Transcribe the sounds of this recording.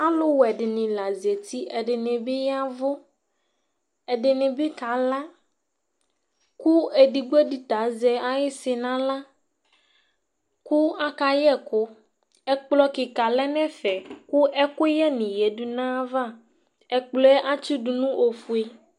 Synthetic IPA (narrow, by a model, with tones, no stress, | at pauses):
a˦lo˦wɛ˨ɖɪ˨nĩ˨la˨zi˨e˨t̪i˦ɛ˨ɖɪ˨nẽ˨be˦ja˦vo˦ | ɛ˨ɖɪ˨nẽ˨be˦ka˨˦la˦ | ku˦e˨ɖi˨ɡ͡be˦di˨t̪a˨˦zɛ˨a˨je˦sɪ˨nã˦la˦ | ku˦a˦ka˨jɛ˦˨ko˦ | ɛ˦k͡plɔ˦ki˨ka˨lɛ˦nɛ̃˦fɛ˨ku˦ɛ˦ko˦jɛ˦nĩ˨je˨˦ɖu˦nã˦va˦˨ | ɛ˨k͡plɔ˦ɛ˦ʔa˦t͡ʃi˦ɖu˨nũ˦ʔo˨fu˨˦e˦